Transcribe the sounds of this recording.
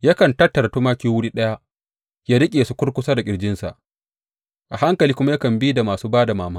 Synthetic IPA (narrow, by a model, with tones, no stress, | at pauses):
ja˦kɐ˨ntɐ˦tːɐ˨ɾa˨toː˦maː˦kʲiː˦wʊ˦ɽiː˦ɗɐ˦ja˦ʔ | jaː˦ɽɪ˦kʲʼeː˨su˦kʷʊ˦ɽkʷʊ˦saː˦da˨kʲʼɪ˨ɽd͡ʒɪ˦nsa̰˨ʔ | ʔa˨ɦa˦ŋkɐ˨liː˦kʷʊ˦ma˦ja˦kɐ˨mbi˦da˨maː˨suː˦baː˦da˨maː˨maː˦